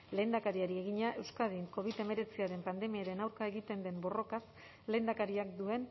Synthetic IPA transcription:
le̞ːnd̪akaɾiaɾie̞ɣiɲaʔe̞wskað̞iŋko̞β̞it̪e̞me̞ɾe̞t͡siaɾe̞mpand̪e̞miaɾe̞nawɾkae̞ɣit̪e̞nd̪e̞mbo̞ro̞kas | le̞ːnd̪akaɾiakd̪ue̞n

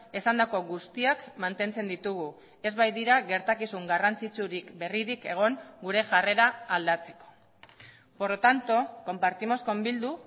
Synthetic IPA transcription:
esand̪ako̞ɣust̪iakmant̪e̞nt͡se̞nd̪it̪uɣ̞u | e̞zβajðiɾaɣe̞ɾt̪akisuŋɡarant͡sit͡suɾikbe̞riɾike̞ɣ̞o̞ŋɡuɾe̞ʝare̞ɾaːld̪at͡se̞̥ko̞̥ | poɾot̪ant̪o̞ko̞mpaɾt̪imo̞sko̞mbild̪u

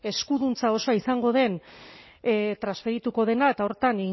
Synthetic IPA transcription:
e̞skuðunt͡sao̞soaisaŋɡo̞ð̞e̞n | t̪ɾasfe̞ɾit̪uko̞ð̞e̞nae̞t̪ao̞ɾt̪ani

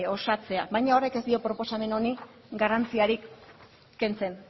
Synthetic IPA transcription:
o̞sat͡se̞abajɲao̞re̞ke̞zd̪io̞pɾo̞po̞same̞no̞ni | ɡarant͡siaɾikː | e̞nt͡se̞n

